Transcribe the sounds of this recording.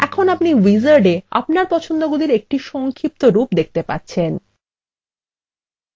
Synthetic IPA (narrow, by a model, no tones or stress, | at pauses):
ɛkʰonapniwizaɾɖea̰p̚naɾpɔt͡ɕʰond̪oɡud̪iɾek̚ʈiʃɔŋkʰip̚t̪oɾupd̪ek̚ʰt̪epa̰tːɕʰen